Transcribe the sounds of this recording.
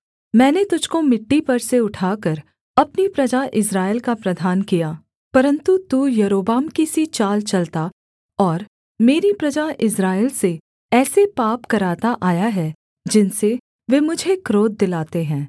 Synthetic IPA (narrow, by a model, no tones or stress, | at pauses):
mɛ̃ːnet̪ʊd͡ʒʱkomɪʈːipɐɾseʊʈʰaːkəɾ | ɐpnipɾɐd͡ʒaʔɪsɾaːɪlkapɾɐd̪ʱaːnkijaː | pɐɾə̃nt̪ut̪uːjɐɾoːbaːmkisit͡ʃaːlt͡ʃɐlt̪a | ɔːɾ | meːɾipɾɐd͡ʒaʔɪsɾaːɪlse | ɛːsepaːpkɐɾaːt̪aʔaːjaɦɛ | d͡ʒɪnse | ʋeːmʊd͡ʒʱekɾoːd̪̚d̪ɪlaːt̪eɦɛ̃ː